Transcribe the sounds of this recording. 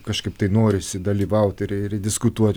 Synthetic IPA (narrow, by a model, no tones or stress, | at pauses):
kɐʃkɐɪpt̪ɐɪnoːɾʲɪsʲɪd̪ɐlʲiːʋɐʊt̪ʲɪɾɪɾdʲɪskʊt̪uɔt̪ʲ